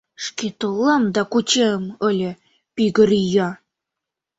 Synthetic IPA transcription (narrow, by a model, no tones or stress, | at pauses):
ʂket̪ɤlˠːɑmd̪ɑkut͡ɕemɤ̆lʲə̆ | piɡə̆ɾijɑ